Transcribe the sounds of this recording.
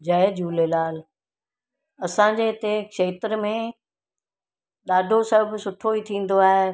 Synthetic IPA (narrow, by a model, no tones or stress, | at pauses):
d͡ʑɐɦed͡ʑuːlelaːl | ɐsãɲd͡ʑet̪ekʃeːt̪əɾmẽ | ɗaːɖʱosɐbsʊʈʰoit̪ʰĩːn̆d̪oaːɦe